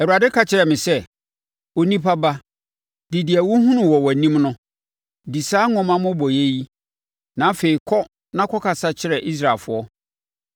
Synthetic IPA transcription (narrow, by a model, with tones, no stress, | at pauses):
ɛ˨wu˨ɾa˨dɪ˦kʰa˦t͡ɕʰɪ˦ɾɛ˨mɪ̃˨sɛ˦ | o˨nĩ˦pʰa˦ba˦ | dɪ˨dɪ˨æ˨wʊ˦ɦũ˦nʊ̃˨wɔ˨wɔ˨nĩ˦mnʊ̃˦ | di˨saː˦ŋɔ̃˦mã˦mʊ̃˦bɔ˨je˦ji˦ | nã˨˦fe˨i˨kʰɔ˦ | nã˦kʰɔ˦kʰa˨sa˦t͡ɕʰɪ˦ɾɛ˨ʔi˦s̬ɾa˨fʊ˦ɔ˦